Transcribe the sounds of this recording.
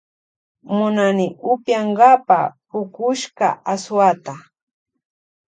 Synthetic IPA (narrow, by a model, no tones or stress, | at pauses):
mʊnanɪʔʊpjaŋɢapa̰pʊkʊʃka̰aswat̪a